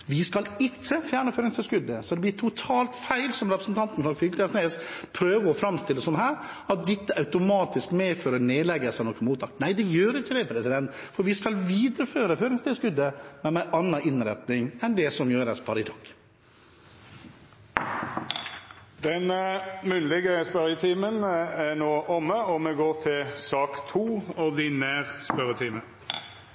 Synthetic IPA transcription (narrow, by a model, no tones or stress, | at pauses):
ʋɪskɑlɪkːəfjæːɳəføːɾɪŋst̪ʰɪlskʉd̪əsɔd̪ɛb̪ɪt̪ʰʊt̪ʰɑːlt̪fæɪlsɔmɾɛpɾəsnt̪ʰɑnt̪n̩hɑlfʏɡ̪ɛsneːspʰɾøːʋəɔfɾɑmst̪ɪlːəsɔmhæːɾ | ɑt̪̚d̪ɪt̪ːəʔɑʉt̪ʊmɑːt̪ɪskmɛføːɾəneːd̪lɛɡəsɑnɔkːənmuːt̪ʰːɑːkt̪næɪd̪ɛjøːɾɪt͡ʃːəd̪ɛpʰɾɛsɪd̪ɛnt̪fɔɾʋɪskɑlʋiːd̪ɾəføːɾəføːɾɪŋst̪ʰɪlskʉd̪ːəmɛmɛʔɑnːɑʔɪnɾɛt̪nɪŋɛnd̪ɛsɔmjøːɾɛspʰɑɾɪt̪ʰɑːk | d̪ɛnəmʉnlɪɡəspœɾət̪ʰiːmənænoːʔɔmːəɔmɛɡoːt̪ʰɪlsɑːkt̪ʰuːɔd̪ɪnæːʁspœɾət̪ʰiːmə